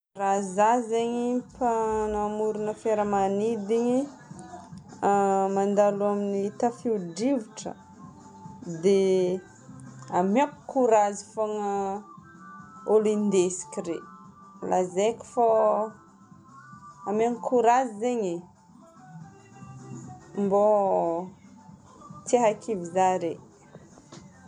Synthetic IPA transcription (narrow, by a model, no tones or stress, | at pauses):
razazeɲipanamuɾunəfeɾəmanid̪iɲi | amand̪aluaminit̪əfiuɖ͡ʐivuʈ͡ʂə̰ | d̪e | amakkuɾazifoŋə | olind̪esi̥kʲiɾḛ | la̰zekʲi̥fa | amaŋkʰuɾazizeɲe | mbo | t͡saɦakʰivizaɾe